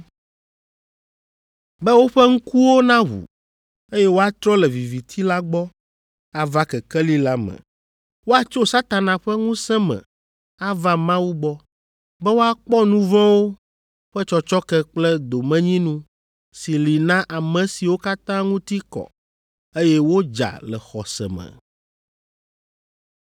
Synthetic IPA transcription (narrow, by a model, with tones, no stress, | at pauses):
bɛ˦wo˦ɸɛ˦ŋ̩˦ku˦wo˦nã˦ɦṵ˨ | e˦jɛ˦wo˦a˦t̪ɾɔ˦lɛ˨vi˨vi˨t̪ʰi˦la˦ɡ͡bɔ˦ | a˨va˦kɛ˨kɛ˦li˦la˦mɛ̰̃˨ | wo˦a˦t͡ʃo˦sa˦t̪a˨nã˨ɸɛ˦ŋũ˦sɛ̃˦mɛ̰̃˨ | a˦va˦mã˦wu˦ɡ͡bɔ˦ | bɛ˦wo˦a˦k͡pɔ˦nũ˦vɔ̃˦wo˦ | ɸɛ˦t͡ʃɔ˦t͡ʃɔ˦kɛ˦k͡plɛ˦d̪o˨mɛ̃˦ɲĩ˦nũ˦ | si˨li˨nã˦ʔa˨mɛ̃˨si˨wo˦ka˦t̪ã˦ŋũ˦t̪i˦kɔ̰˨ | e˦jɛ˦wo˦d͡ʒa̰˨lɛ̰˨xɔ˨sɛ̰˨mɛ̰̃˨